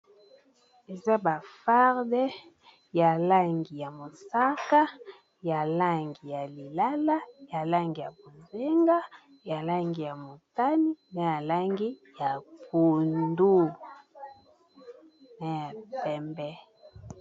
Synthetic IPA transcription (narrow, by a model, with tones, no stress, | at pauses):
e˨za˦ba˨fa˦ʁdɛ˦ | ja˨la˦ŋɡi˨ja˨mo˨sa˦ka˦ | ja˨la˦ŋɡi˨ja˨li˨la˦la˦ja˨la˦ŋɡi˨ja˨bo˨nze˦ŋɡa˦ | ja˨la˦ŋɡi˨ja˨mo˨ta˦ni˦na˨ja˨la˦ŋɡi˦ja˨ku˨ndu˦ | na˨ja˨pɛ˦mbɛ˦